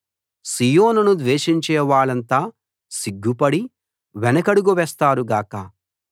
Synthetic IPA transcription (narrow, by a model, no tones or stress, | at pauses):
siːjoːnunud̪ʋeːʃiɲt͡ʃɛːʋaːɭɐnt̪aː | siɡʱːupɐɽi | ʋɛnɐkɐɽuɡuʋɛːst̪aːɾuɡaːkɐ